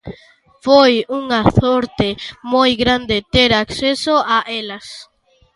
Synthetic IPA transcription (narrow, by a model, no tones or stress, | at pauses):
fojuŋaθoɾt̪emojɣɾand̪et̪eɾaksesoʔaʔelas